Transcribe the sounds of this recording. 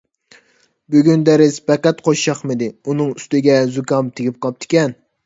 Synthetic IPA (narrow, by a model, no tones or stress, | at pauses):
byɡʲynd̪ɛɾɪzbɛqɛt̪qʰoʃʃɑχmɨd̪ɪunɨŋyst̪ɪɡʲɛzukɑmt̪ʰeɡʲip̚qʰɑp̚t̪ʰɪ̥kʲɛn